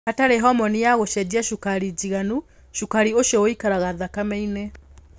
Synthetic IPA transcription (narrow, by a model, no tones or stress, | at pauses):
ataɾeɦɔmɔnijaɣoʃɛd͡ʑiaʃukaɾid͡ʑiɣanu | ʃukaɾioʃiɔoikaɾaɣaðakamɛine